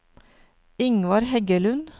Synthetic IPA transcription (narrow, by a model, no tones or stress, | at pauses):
ɪŋʋɑɾhɛɡəlʉn